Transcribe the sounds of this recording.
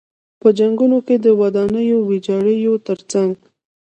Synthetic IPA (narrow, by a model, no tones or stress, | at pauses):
pəd͡ʒaŋɡunoked̪əwad̪ɑnəjowed͡ʒɑɽəjot̪əɾt͡saŋɡ